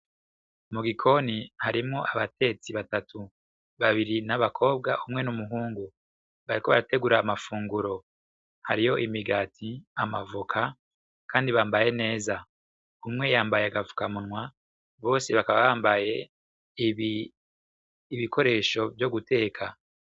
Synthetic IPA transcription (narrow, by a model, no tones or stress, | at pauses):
muɡikʰo̞nihaɾimŋo̞ʔaβate̞t͡siβatatʰu | βaβiɾinaβakʰo̞ːb̚ɡaʔumŋe̞numuɦuːŋɡu | βaɾiko̞βaɾate̞ɡuɾaːmafuːŋɡuɾo̞ | haɾijo̞ʔimiɡatʰiamavukʰa | kʰaːndiβaːmbaje̞ne̞ːza | umŋe̞jaːmbajeaɡavu̥kamunŋwa | βo̞ːseβakaβaβaːmbaje̞ | iβiko̞ɾe̞ːʃo̞vjo̞ɡute̞ːkʰa